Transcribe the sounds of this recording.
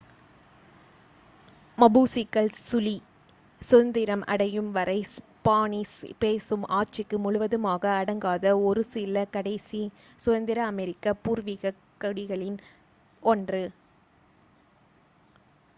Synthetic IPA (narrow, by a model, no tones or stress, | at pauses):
mɐbuːsɪkːɐɭsʊli | sɔnd̪ɪɾɐmʔɐ̰ɽɐjɯmʋɐɾɐɪs | paːɳispeːsɯmʔaːt͡ʃɪkːɯmʊɻʊʋɐðɯmaːɣɐːɽɐŋɡaːðɐɔɾɯsɪlɐkɐɽɐɪsi | sʊðɐnd̪ɪɾɐːmɛɾɪkːɐpuːɾʋɪɣɐkːɐɽɪɣɐɭɪn | ɔndrɯ